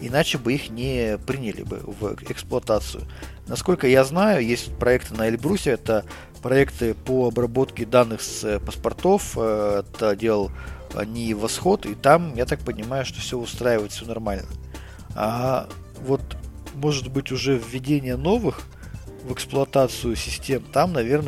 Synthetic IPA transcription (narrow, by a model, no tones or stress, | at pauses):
ɪnat͡ɕɪbɨixnʲɪpɾʲinʲɪlʲɪ̰bɨ̰vɛksplˠʊɐt̪at̪sɨjʊ̰ | nɐsko̞lʲkəjaznajʊjesʲtʲtʲpɾɐɛkt̪ɨnəɪlʲbɾusʲɪɛt̪ə | pɾɐɛkt̪ɨpoɐbrɐbo̞t̪kʲɪd̪anːɨxsəpəspɐrt̪o̞fɛt̪ədʲe̞lˠəl̰ˠnʲɪvɐsxo̞t̪it̪amjat̪ak̚pənʲɪmajʊʂt̪ofsʲoʊst̪ɾajɪvəɪt̪fsʲonɐrmalʲnə | a | vo̞t̪mo̞ʐɨt̪bɨtʲʊʐɛvʲːɪdʲenʲɪjəno̞vɨx | vɨksplˠʊɐt̪at̪sɨjʊsʲɪsʲtʲe̞mt̪amnɐvʲe̞rnə